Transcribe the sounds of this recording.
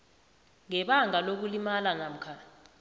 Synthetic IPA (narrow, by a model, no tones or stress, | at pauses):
ŋɛɓaŋalok̬ulimalanam̩kʰaː